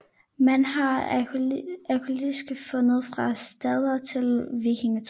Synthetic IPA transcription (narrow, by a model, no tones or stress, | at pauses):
mænɦɑ̈ | ækʰolisɡ̥fɔ̽nð̞̩ˠfʁɑ̈sd̥ɛðˠɐt͡sʰe̝lʋikʰeŋt͡sʰ